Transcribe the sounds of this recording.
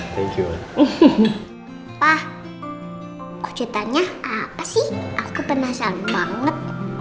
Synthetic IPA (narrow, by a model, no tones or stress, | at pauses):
t̪ʰɛŋkjṵ | pah | kɔ̥d͡ʒ̥at̪aɲaʔapasɪhʔakupənahsalubaŋət̪̚